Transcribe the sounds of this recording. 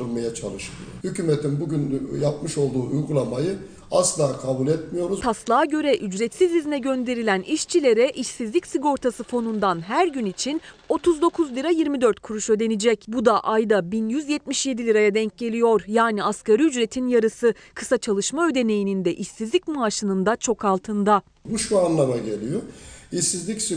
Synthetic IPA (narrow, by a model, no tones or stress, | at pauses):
ɯlmajat͡ʃʰalˠɯʃɯljohycʰymet̪ʰinbuɟynjap̚mɯʃo̞lˠd̪uːʔujɡulˠamajɯ | aslˠaːkʰabulʲɛt̪mijo̞ɾuzt̪ʰaslˠaːɟø̞ɾɛʔyd͡ʒɾɛt̪sizizinɛɟø̞nd̪e̞ɾilʲæniʃt͡ʃʰilʲe̞ɾɛʔiʃsizlʲicsiɡo̞ɾt̪ʰasɯfo̞nund̪anɦæɾɟynit͡ʃʰino̞t̪ʰuzd̪o̞kʰuzlʲiɾajiɾmid̪ø̞ɾt̪̚kʰuɾuʃø̞d̪e̞nid͡ʒɛcbud̪aʔajd̪abinjyzjɛt̪̚miʃje̞d̪ilʲiɾajad̪ɛɲc̚ɟe̞lʲijo̞ɾjaːniaskaɾiyd͡ʒɾe̞t̪ʰinjaɾɯsɯ | kʰɯ̥sat͡ʃʰalˠɯʃmaø̞d̪e̞ne̞jinind̪ɛʔiʃsizlʲicmaaʃɯnɯnd̪at͡ʃʰo̞kʰalˠt̪ʰɯnd̪a | buʃuanlˠamaɟe̞lʲijoiʃsizlʲicsi